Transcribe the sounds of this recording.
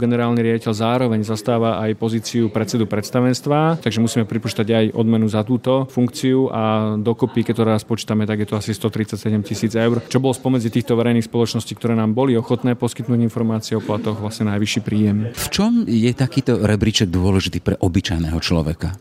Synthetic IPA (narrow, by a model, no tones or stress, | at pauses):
ɡɛnɛɾaːlniɾɪaɟicɛʎzaːɾɔʋɛɲzast̪aːʋaʔajpɔziːt͡siupɾɛt̪t͡sɛd̪upɾɛt̪st̪aʋɛnst̪ʋat̪aɡʒɛmusiːmɛpɾipɔt͡ʃi̥t̪aɟajʔɔ̰d̪mɛnuzat̪uːt̪ɔfuŋkt͡siuʔad̪ɔkɔpikɛt̪ɔɾɛɾaspɔt͡ʃi̥ːt̪amɛt̪aɡjɛt̪ɔasist̪ɔt̪ɾit̪t͡sacsɛɟɛmcisiːd͡zɛʊɾt͡ʃɔbɔlɔspɔmɛd͡zit̪iːxt̪ɔʋɛɾɛjniːxspɔlɔt͡ʃnɔsciːkt̪ɔɾɛːnaːmbɔliɔxɔt̪nɛːpɔski̥t̪nuːɟinfɔɾmaːt͡siɛɔplat̪ɔɣʋlasɲɛnajʋiʃiːpɾiːjɛmft͡ʃɔmjɛt̪akiːt̪ɔɾɛbɾit͡ʃɛɡ̚d̪ʊɔlɛʒit̪iːpɾɛʔɔbit͡ʃajnɛːɦɔt͡ʃlɔ̰ʋɛ̰ka